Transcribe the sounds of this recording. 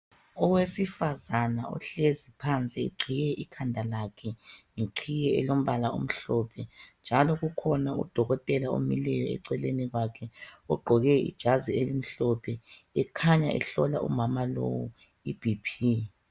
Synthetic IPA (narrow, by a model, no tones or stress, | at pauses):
ɔwesifazanaɔ̰ɬezipʰant͡sʼiḛǃʰijɛʔikʰandʱalakʰɛŋeǃʰijɛɛ̰lom̩βalao̰m̩ɬɔpʰɛnd͡ʒʱalɔɣukʰɔnaṵd̥ʱɔɣɔtʼɛlao̰milɛjɔɛ̰ǀɛleniɣwakʰɛɔɡ͡ǃʱɔɣɛḭd̥ʒ̥ʱazielim̩ɬɔpʰɛɛkʰaɲaʔɛ̰ɬɔla̰ʔṵmamalo̰wu | ib̥ʱipʰi